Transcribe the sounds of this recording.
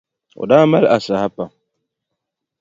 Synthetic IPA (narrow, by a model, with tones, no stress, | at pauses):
ʊ̰˨daː˦ma˦la˨sa˨ha˦pa˨